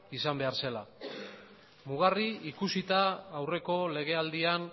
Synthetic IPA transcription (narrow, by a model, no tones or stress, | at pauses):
isambe̞aɾse̞la | muɣ̞ariikusit̪aːwre̞ko̞le̞ɣ̞e̞ald̪ian